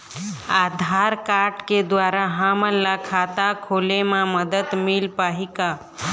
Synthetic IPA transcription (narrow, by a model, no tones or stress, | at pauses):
aːd̪ʱaːɾkaɾʈked̪ʋaːɾaɦaməlːakʰaːt̪akʰoːlemãməd̪ət̪milpaːɦika